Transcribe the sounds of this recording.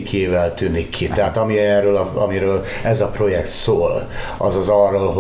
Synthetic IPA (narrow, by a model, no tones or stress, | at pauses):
kʰeːvɛlt̪ynikʰːit̪ɛɦat̪ɒmiɛːrøːlɒɒmiɾøːl | ɛzɒpro̞jɛkt̪soːl | ʔɒzɒzɒrːoːlɦo